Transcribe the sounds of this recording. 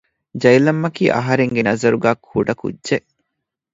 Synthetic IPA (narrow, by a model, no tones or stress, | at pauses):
d͡ʒɐjlɐmːɐkḭːʔɐ̰ɦɐɾeŋɡenɐzɐɾuɡæːkʰuɖɐkṵdːʒeʔ